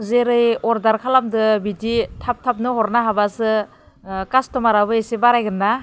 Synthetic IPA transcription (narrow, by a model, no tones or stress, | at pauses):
zeɾɯjɔɾdaɾkʰalamdɯbiditʰap̚tʰap̚nɯɦɔɾnaɦabasɯ | kastɔmaɾabɯesebaɾajɡɯnːa